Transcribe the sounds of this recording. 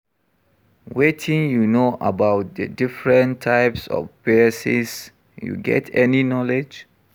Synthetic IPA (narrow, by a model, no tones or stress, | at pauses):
wetʰĩŋjunoʔəbaʊt̚dədifɹə̃ntʰːaɪpsɔ̰fvɛsḭs | jṵɡɛ̰tʰɛninɔled͡ʒ